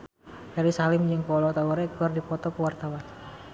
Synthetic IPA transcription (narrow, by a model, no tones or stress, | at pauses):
d̥aɾisalɪmd͡ʒɨŋkɔlɔt̪awəɾɛkuardipɔt̪ɔkəwart̪awan